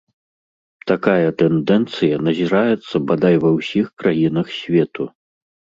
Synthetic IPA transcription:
t̪akajɐt̪ɛnd̪ɛnt̪sɨjɐnɐzʲiɾajɛt̪sːɐbad̪ajvɐwsʲixkɾajinɐxsʲvʲɛt̪u

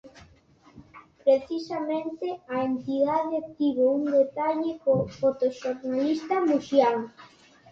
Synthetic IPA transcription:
pɾeθisamẽnt̪eaent̪iðaðeak̚t̪iβound̪et̪aʎekofot̪oʃoɾnalist̪amuʃjaŋ

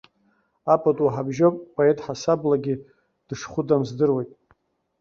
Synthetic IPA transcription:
apʼatʼwaħabʒopʼpʼoetʼħasablaɡʲi | d̥ɨʂχʷʊdamzdɨrwejtʼ

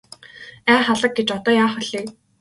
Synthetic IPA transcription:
æːχaɮə̆k̚ɡet͡ɕɔt̪ɔːjaːχɔɮiː

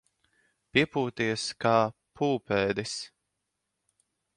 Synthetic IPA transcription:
pʲiɛpuːt̪iɛskaːpʰuːpɛːd̪is

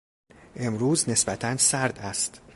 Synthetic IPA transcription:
ʔe̞mɾuːzne̞sbæt̪ʰænsæɾd̪æst̪

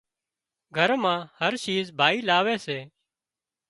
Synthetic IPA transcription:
ɡʱəɾmãːhəɾt͡ʃiːzbʱaːiːlaːʋeːseː

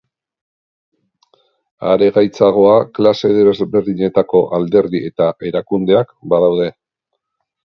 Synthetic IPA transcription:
a̰ɾe̞ɣajt͡saɣ̞o̞aklase̞ðβebeɾðiɲe̞t̪ako̞ʔald̪e̞ɾðie̞t̪aʔe̞ɾakund̪e̞akbaðawð̞e̞

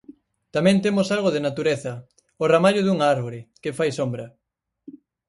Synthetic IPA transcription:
t̪amɛ̃nt̪emosalɣoðenat̪uɾeθɐ | oramaʎʊðuŋaɾβoɾɪkɪfajsombɾɐ

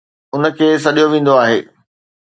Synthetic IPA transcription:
ʊnə̆kʰeːs̬ɐɗijoʋẽːn̆d̪oaːɦḛː

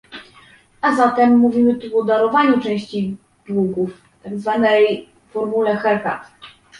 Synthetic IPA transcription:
azat̪ɛmːuvʲimɘt̪uɔd̪aɾɔvaɲut͡ʂɛ̃w̃ɕt͡ɕi | d̪̥wuɡuf | t̪aɡzvanɛj | fɔɾmulɛxɛɾka̰t̪

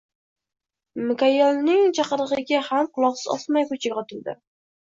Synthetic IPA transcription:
mɪkajɛlnɪŋt͡ʃʰɑqɨɾɨʁɨɡʲahamqʊlˠɒqsɨzɒ̰smajkʊt͡ʃʰɪqɒt̪ʰʊlˠd̪ɪ̰

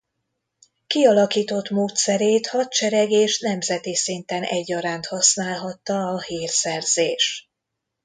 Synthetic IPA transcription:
kiɒlɒkiːt̪o̞t̪moːt̪sɛɾeːt̪hɒt̪̚t͡ʃɛɾɛɡeːʃnɛmzɛt̪isint̪ɛnʔɛ̰ɟːɒɾaːnt̪hɒsnaːlɦɒt̪ːɒːhiːrsɛrzeːʃ

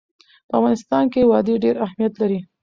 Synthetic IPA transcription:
pəavɣɑnɪst̪ɑnkewɑd̪eɖeɾahmijat̪laɾi

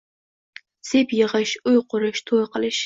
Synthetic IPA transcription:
sepjəʁəʃʊjqʊɾɨʃt̪ʰojqəlɨʃ

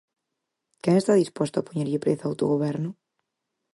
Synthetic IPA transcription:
kɛŋest̪aðispɔst̪oapoɲeɾʎɪpɾḛθaawt̪o̰ɣoβɛɾnʊ

